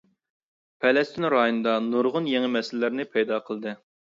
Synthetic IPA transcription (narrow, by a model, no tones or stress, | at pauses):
pʰɛlɛst̪ʰinɾɑjonɨd̪ɑnuɾʁʊnjeŋɪmɛsɪllɪɾnɪpʰɛjd̪ɑqʰəlˠɨd̪ɨ